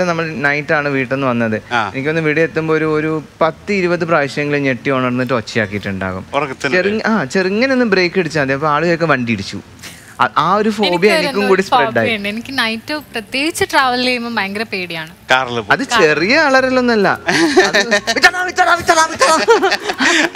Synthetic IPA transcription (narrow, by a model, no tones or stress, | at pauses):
enɐmːɐɭnɐjtːaːɳɨʋiːʈːe̞nːɨʋɐnːɐðɨenikʲːo̞nːɨʋiɽiet̪ːumbo̞ːɾuoɾupɐt̪ːɨiɾubɐðɨpraːʋiɕɐjɐŋːɐɭuɲeʈːijoːɳɐɽnːiʈ̬ːɨot͡ɕːija̰ːkːijiʈːuɳɖa̰ːɣṵmrɐkːt͡ɕeriŋːaːt͡ɕeriŋːɐnenːɨbre̞ːkːeɽit͡ɕːaɐd̪eɐpːɐaːɭujoːkːeʋɐɳɖiiɽit͡ɕːṵ | ɐ̰ʔaːo̞ɾufo̞ːbijɐenikːummkuːɽispeɖaːɳenikʲːɨnɐjtːɨprɐt̪je̞ːɡit͡ɕːɨʈraːʋɐlileːjmɐmbaːŋɡɾɐpːeːɽijaːɳɨkaːɾɐlɐðɨt͡ɕe̞rijɐɐɭɐɾɐlːo̞nːɐlːɐ̰ɐðʋit̪ːɐnaːʋit̪ːɐnaːʋit̪ːɐnaːʋit̪ːɐnaː